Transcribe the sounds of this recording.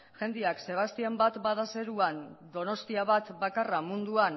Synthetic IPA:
ʝe̞nd̪iakse̞β̞ast̪iambat̪baðase̞ɾuand̪o̞no̞st̪iaβ̞at̪bakaramund̪uan

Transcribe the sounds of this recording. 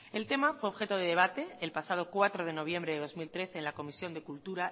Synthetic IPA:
e̞lt̪e̞mafwe̞o̞βxe̞t̪oð̞e̞ðe̞β̞at̪e̞ːlpasað̞o̞kwat̪ɾoð̞e̞no̞β̞je̞mbɾe̞ðe̞ðo̞zmilt̪ɾe̞θeːnlako̞misjo̞nd̪e̞kult̪uɾa

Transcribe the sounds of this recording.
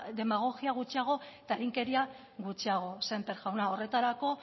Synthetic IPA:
d̪e̞maɣ̞o̞ɣiaɣ̞ut͡ʃiaɣ̞o̞t̪aeɾiŋke̞ɾia | ɣut͡ʃiaɣ̞o̞sempeɾʝawnao̞re̞t̪aɾako̞

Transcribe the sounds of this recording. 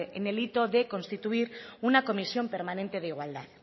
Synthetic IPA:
enelit̪o̞ðe̞ko̞nst̪it̪uiɾunako̞misjo̞mpe̞ɾmanent̪e̞ð̞eiɣwald̪að

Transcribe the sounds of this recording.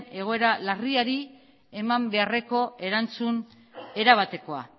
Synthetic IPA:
e̞ɣ̞o̞e̞ɾalariaɾi | e̞mambe̞are̞ko̞e̞ɾant͡sun | e̞ɾaβ̞at̪e̞ko̞a̰

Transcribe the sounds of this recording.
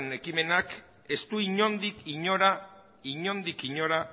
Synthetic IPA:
ne̞kime̞nak | e̞st̪uiɲo̞nd̪ikiɲo̞ɾa | iɲo̞nd̪ikiɲo̞ɾa

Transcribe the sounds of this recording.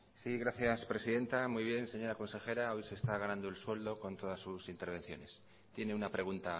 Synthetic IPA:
siɣɾaθjaspɾe̞siðe̞nt̪amujβ̞je̞nse̞ɲo̞ɾako̞nse̞xe̞ɾao̞jse̞ːst̪aɣ̞anãnd̪oelswe̞ld̪o̞ko̞nt̪o̞ð̞asːusint̪eɾβ̞e̞nθjo̞̰ne̞s | t̪je̞ne̞unapɾe̞ɣ̞unt̪a

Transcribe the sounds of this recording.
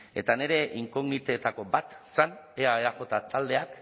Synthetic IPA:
e̞t̪ane̞ɾe̞ʔiŋko̞ɣnit̪e̞t̪ako̞bat̪saneaeaxo̞t̪at̪ald̪e̞ak

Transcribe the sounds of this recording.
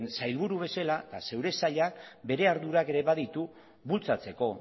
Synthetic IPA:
nsajlβuɾuβe̞salat̪a̰se̞wɾe̞saʎak̚be̞ɾe̞aɾðuɾake̞ɾe̞βaðit̪u | βult͡sat͡se̞ko̞

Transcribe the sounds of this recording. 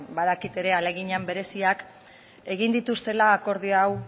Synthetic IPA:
baðakit̪e̞ɾe̞ale̞ɣiɲambe̞ɾe̞siak | e̞ɣ̞ind̪it̪ust̪e̞laːko̞ɾðiaw

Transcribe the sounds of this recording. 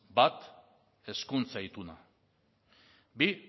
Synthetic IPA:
bat̪ | e̞skunt͡saijt̪una | bi

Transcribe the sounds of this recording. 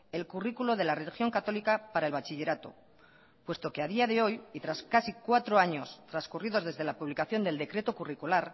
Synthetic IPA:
e̞lkurikuloð̞e̞lare̞lixjo̞ŋkat̪o̞likapaɾae̞lβat͡ʃiʎe̞ɾat̪o̞̰ | pwe̞st̪o̞ke̞aðiaðe̞o̞jit̪ɾaskasikwat̪ɾoaɲo̞st̪ɾaskuriðo̞zðezðe̞lapuβ̞likaθjo̞nd̪e̞ld̪e̞kɾe̞t̪o̞kurikulaɾ

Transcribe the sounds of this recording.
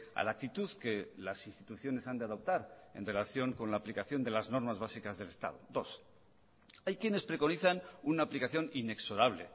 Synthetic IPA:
a̰laːk̚t̪it̪uðke̞lasinst̪it̪uθjo̞ne̞sand̪eaðo̞p̚t̪aɾe̞̰nre̞laθjo̞ŋko̞nlaːplikaθjo̞nd̪e̞lazno̞ɾmazβasikazðe̞lest̪a̰ð̞odo̞s | ajkje̞ne̞spɾe̞ko̞niθanunaːplikaθjo̞nine̞kso̞ɾaβlḛ

